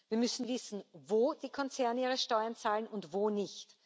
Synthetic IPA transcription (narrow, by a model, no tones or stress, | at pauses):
viːɐmʏsn̩vɪsn̩voːd̥iːkʰɔnt͡sɛɐniːʁəʃtɔʏɐnt͡saːlənʊntvoːnɪçt